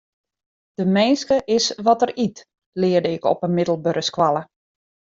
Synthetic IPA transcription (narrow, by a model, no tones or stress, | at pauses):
d̥əmɛjnskəʔɪsʋɔtərit | lɪːərdəɪkɔ̰pənmɪdəl̩ˠbøɾəskʋalˠə